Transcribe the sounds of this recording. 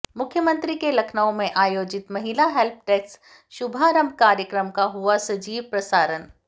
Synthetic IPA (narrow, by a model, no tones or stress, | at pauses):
mʊkʰjəmə̃nt̪ɾikelɐkʰnaõmẽʔaːjoːd͡ʒɪt̪mɐɦilaɦɛlp̚ʰʈeːks | ʃʊbʱaːɾə̃mbʱkaːɾjəkɾəmkaɦuasɐd͡ʒiːʋpɾɐsaːɾən